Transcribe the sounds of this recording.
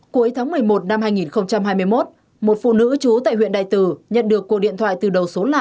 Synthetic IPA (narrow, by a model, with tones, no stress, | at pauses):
ku˨˦əjt̪ʰaː˨˦ŋmɨ˨˩əjmo˨˩t̚na˧mhaː˧jŋi˨˩nxə˧wŋ͡mt͡ɕa˧mɦaː˧jmɨ˧əjmo˦˥t̚ | mo˨˩t̚fṵ˧˨nɨ̰˧˥t͡ɕu˨˦t̪a̰ː˧˨jhwḭ˧˨ənɗa̰ː˧˨jt̪ɨ˨˩ɲə̰˧˨nɗɨ˨˩əkːu˨˩ək̚ɗḭ˧˨ət̪ʰwaː˧˨jt̪ɨ˨˩ɗə˨˩wso˨˦la̰ː˧˨ʔ